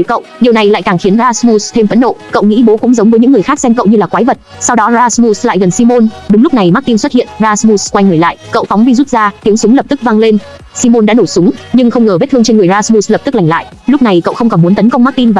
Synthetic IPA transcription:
kə̰˧˨wɗi˨˩əwna˨˩jla̰ː˧˨jkaː˨˩ŋxi˨˦ənzaː˧smu˧st̪ʰe˧mvə̰˧˥nɗo̰˧˨kə̰˧˨wŋḭ˧˥ɓo˨˦kʊ̰˧˥ŋ͡mzə˨˦wŋ͡mvə˨˦ɲɨ̰˧˥ŋːɨ˨˩əjxaː˦˥k̚sɛ˧mkə̰˧˨wɲɨ˧laː˨˩kwaː˨˦jvə˨˩t̚ | sa˧wɗɔ˨˦zaː˧smu˧sla̰ː˧˨jɣə˨˩nsi˧mo˧nɗʊ˨˦ŋ͡mlʊ˦˥k͡p̚na˨˩jma˦˥k̚t̪i˧nswə˦˥t̚hḭ˧˨ənzaː˧smu˧skwa˧jŋəː˧˩la̰ː˧˨jkə̰˧˨wfɔ˨˦ŋ͡mvi˧zu˦˥t̚zaː˧t̪i˨˦əŋsʊ˨˦ŋ͡mlə˨˩p̚t̪ɨ˦˥k̚va˧ŋle˧n | si˧mo˧nɗa̰ː˧˥no˧˩jsʊ˨˦ŋ͡mɲɨ˧ŋxə˧wŋ͡mŋəː˨˩ve˦˥t̪ʰɨ˧əŋt͡ɕe˧nŋɨ˨˩əjzaː˧smu˧slə˨˩pt̪ɨ˦˥k̚la˨˩ŋ̟la̰ː˧˨jʔ | lʊ˦˥k͡p̚na˨˩jkə̰˧˨wxə˧wŋ͡mkɔ˨˩mu˨˦ənt̪ə˨˦nkə˧wŋ͡mma˦˥k̚t̪i˧nvaː˨˩

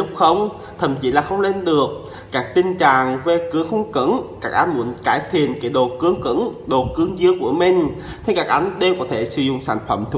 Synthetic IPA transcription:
lʊ˦˥k͡p̚xə˧wŋ͡m | t̪ʰə̰˧˩mt͡ɕi˨˦laː˨˩xə˧wŋ͡mle˧nɗɨ˨˩ək̚ | kaː˦˥k̚t̪ï˧ŋ̟t͡ɕa̰ː˧˨ŋve˨˩kɨ˨˦əŋxə˧wŋ͡mkɨ̰˧˥nkaː˦˥k̚ʔa˧˦nmu˧˦ənkaː˧˩jt̪ʰḭ˨ənka˨˦ɗo˨˩kɨ˨˦əŋkɨ̰˧˥nɗo˨˩kɨ˨˧˦əŋzɨ˧əŋku˧˩əmï˨˩ŋ̟ | t̪ʰi˨˧kaː˦˥k̚ʔa˨˦jŋ̟ɗe˧wkɔ˨˦t̪ʰe˧˩sɨ˧˦zʊ̰˧˨ŋ͡msa̰ː˧˩jŋ̟fə˧˩mt̪ʰ

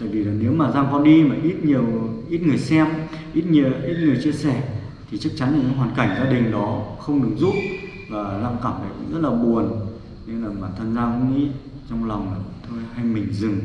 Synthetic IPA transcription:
t̪a̰ː˧˨jvi˨˩laː˨˩ne˨˦wmaː˨˩zaː˧ŋkɔ˧nɗi˧maː˨˩ʔi˦˥t̚ɲi˨˩əwʔi˦˥t̚ŋɨ˨˩əjsɛ˧m | ʔi˦˥t̚ɲi˧˨əʔi˦˥t̚ŋɨ˨˩əjt͡ɕi˧əsɛ˧˩ | t̪ʰi˨˩t͡ɕa˦˥k̚t͡ɕa˨˦nːa˧˨ɲɨ̰˨˧˦ɦwaː˨˩nka˧˩jŋ̟zaː˧ɗï˨˩ŋ̟ɗɔ˨˦xə˧wŋ͡mɗɨ˨˦ŋzṵ˧˥ʔ | vaː˨˩laː˧ŋkaː˧˩mʔa̰˨˧˩zə˦˥t̚laː˨˩ɓu˨˩ən | ne˧nlaː˨˩maː˨˩t̪ʰə˧nzaː˧ku˧˥ŋʔi˦˥t̚ | t͡ɕɔ˧wŋ͡mlɔ˨˩wŋ͡ma˨˩t̪ʰo˧jha˧jmï˨˩ŋ̟zɨ˨˩ŋ

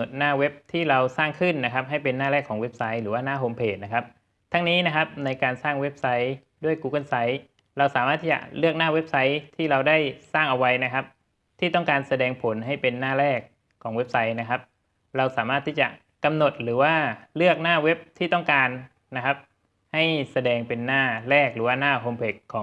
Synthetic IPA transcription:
t̪̚naː˥˩we˦˥p̚t̪ʰiː˥˩ɾa˧wsaː˥˩ŋkʰɯ˥˩nːa˦˥kʰa˦˥p̚ɦa˥˩jpe˧nːaː˥˩ɾɛː˥˩kʰːɔː˩˦ŋwe˦˥p̚sa˦˥jɾɯː˩˦waː˥˩naː˥˩ɦoː˧mpʰeː˨˩t̪̚na˦˥kʰa˦˥p̚ | t̪ʰa˧˥ŋniː˦˥na˦˥kʰa˦˥p̚na˧jkaː˧nsaː˥˩ŋwe˦˥p̚sa˦˥j | du˥˩əjkuː˧ka˥˩nsa˦˥j | ɾa˧wsaː˨˩˦maː˥˩t̪ʰiː˥˩t͡ɕa̰˨˩lɯ˥˩ək̚naː˥˩we˦˥p̚sa˦˥jt̪ʰiː˥˩ɾa˧wda˥˩jsaː˥˩ŋʔa˧wa˧jna˦˥kʰa˦˥p̚ | t̪ʰiː˥˩t̪ɔ˥˩ŋkaː˧nsa˧dɛː˧ŋpʰo˩˦nɦa˥˩jpe˧nːaː˥˩ɾɛː˥˩kʰː | ɔː˩˦ŋwe˦˥p̚sa˦˥jna˦˥kʰa˦˥p̚ | ɾa˧wsaː˩˦maː˥˩t̪ʰːiː˥˩t͡ɕa˨˩ | ka˧mno˨˩t̪̚ɾɯː˩˦waː˥˩lɯ˥˩ək̚naː˥˩we˦˥p̚t̪ʰiː˥˩t̪ɔ˥˩ŋkaː˧nː | a˦˥kʰa˦˥p̚ | ha˥˩jsa˧dɛː˧ŋpe˧nːaː˥˩ɾɛː˥˩k̚ɾɯː˩˦waː˥˩naː˥˩ɦoː˧mpʰeː˨˩t̪̚kʰːɔː˩˦ŋ

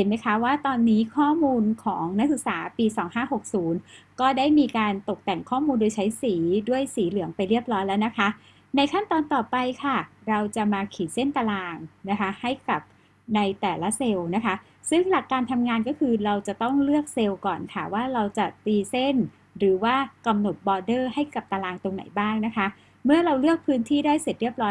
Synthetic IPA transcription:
he˨˩˦nma˦˥jkʰa˦˥waː˥˩t̪ɔː˧nːiː˦˥kʰɔː˥˩muː˧nkʰɔ̰ː˩˦ŋna˦˥k̚sɯ˨˩k̚saː˩˦piː˧sɔː˩˦ŋhaː˥˩ɦo˨˩k̚suː˩˦nkɔː˥˩daː˥˩jmiː˧kaː˧nt̪o˨˩k̚t̪ɛ˨˩ŋkʰɔː˥˩muː˧ndoː˧jt͡ɕʰa˦˥jsiː˩˦du˥˩əjsiː˩˦lɯ˨˩˦əŋpa˧jɾi˥˩əp̚ɾɔː˦˥jlɛː˦˥wna˦˥kʰa˦˥ | na˧jkʰa˥˩nt̪ɔː˧nt̪ɔː˨˩pa˧jkʰa˥˩ɾa˧wt͡ɕa˨˩maː˧kʰiː˩˦se˥˩nt̪a˧laː˧ŋna˦˥kʰa˦˥ha˥˩jka˨˩p̚ | na˧jt̪ɛː˨˩la˦˥se˧wna˦˥kʰa˦˥ | sɯ˥˩ŋla˨˩kːaː˧nt̪ʰa˧mŋaː˧nkɔː˥˩kʰɯː˧ɾa˧wt͡ɕa˨˩t̪ɔ˥˩ŋlɯ˥˩ək̚se˧wkɔː˨˩nkʰa˥˩waː˥˩ɾa˧wt͡ɕa˨˩t̪iː˧se˥˩n | ɾɯː˩˦waː˥˩ka˧mno˨˩t̪̚bɔː˧dɤː˥˩ha˥˩jka˨˩p̚t̪a˧laː˧ŋt̪o˧ŋna̰˨˩˦jbaː˥˩ŋna˦˥kʰa˦˥ | mɯ˥˩ɐɾa˧wlɯ˥˩ək̚pʰɯː˦˥nt̪ʰiː˥˩daː˥˩jse˨˩t̪̚ɾi˥˩əp̚ɾɔː˦˥

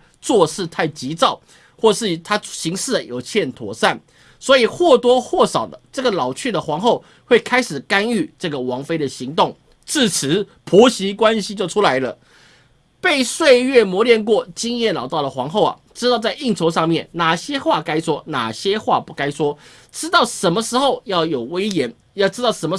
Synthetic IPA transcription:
t͡swɔ˥˧ʂɻ̩˥˧t̪ʰa˥˩ɪt͡ɕi˧˥t͡sɑ˥˩ʊ | xwɔ˥˩ʂɻ̩˥˩t̪ʰa˥ɕi˧˥ŋʂɹ̩˥˩jo˨˩ʊt͡ɕʰjɛ˥˩nt̪ʰwɔ̰˨˩sa˥˩n | swɔ˧˥i˨˩xwɔ˥˩t̪wɔ˥xwɔ˥˩sɑ˨˩ʊd̪ə˦ʈ͡ʂɤ˥˩ɡə˩lɑ˨˩ʊt͡ɕʰy˥˩d̪ə˩xwɑ˧˥ŋxo˥˧ʊ | xwe˥˩ɪkʰa˥ɪʂɻ̩˨˩ka˦˥ny˥˧˩ʈ͡ʂɤ˥˩ɡə˩wɑ˧˥ŋfe˥ɪd̪ə˨ɕi˧˥ŋt̪ʊ˥˩ŋ | ʈ͡ʂɹ̩˥˩t͡s̩ʰ˧˦ | pʰu˧˥ɕi˧˥kwa˦nɕi˧˥t͡ɕjo˥˩ʊʈ͡ʂʰu˥la˧˦ɪlə˧ | pe˥˧ɪswe˥˧ɪɥɛ˥˩mwɔ˧˥ljɛ˥˧nkwɔ˥˩t͡ɕi˥ŋjɛ˥˩nlɑ˨˩ʊt̪ɑ˥˩ʊd̪ə˩xwɑ˧˥ŋxo˥˩ʊɐ̰˨˩ʈ͡ʂɻ̩˥t̪ɑ˥˧ʊt͡sa˥˧ɪi˥˩ŋʈ͡ʂʰo˧˥ʊʂɑ˥˧ŋmjɛ˥˩nna˨˩ɕjɛ˥xwa˥˩ka˥ɪʂwɔ˥na̰˨˩ɕjɛ˥xwa̰˥˧pu˥˩ka˥ɪʂwɔ˥ | ʈ͡ʂɻ̩˥t̪ɑ˥˩ʊʂə˨˥nmə˧ʂɻ̩˧˥xo˥˧ʊjɑ˥˩ʊjo˨˩ʊwe˥ɪjɛ˧˥n | jɑ˥˩ʊʈ͡ʂɻ̩˥t̪ɑ˥˩ʊʂə˧˥nmə˧

